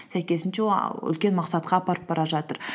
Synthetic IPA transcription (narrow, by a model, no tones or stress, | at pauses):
sæjkʲe̞sɪnʃeʏ̰lkʲe̞nmɑqsɑt̪̚qɑːpɑɾəp̚bɑɾɑʒɑt̪əɾ